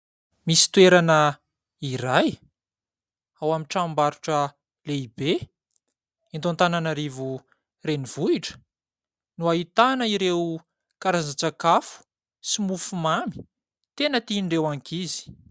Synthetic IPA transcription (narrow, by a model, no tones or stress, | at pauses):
misi̥t̪ueɾanə | iɾaj | awamiʈ͡ʂambaɾuʈ͡ʂə | leibe | int̪ont̪ananaɾivu | reniv̥uiʈ͡ʂə̥ | nuaɦit̪anəiɾew | kaɾazat͡sakafu̥ | simufumami̥ | t̪enət̪iɳrewaŋkizi̥